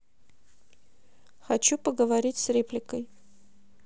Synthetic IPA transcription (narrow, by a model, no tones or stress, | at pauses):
xɐt͡ɕupəɡəvɐɾʲitʲsrʲeplʲɪkəj